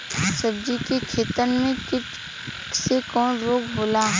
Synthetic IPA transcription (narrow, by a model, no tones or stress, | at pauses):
səbd͡ʒikekʰeːt̪ənmẽkɪt | sekɔːnɾoːɡboːla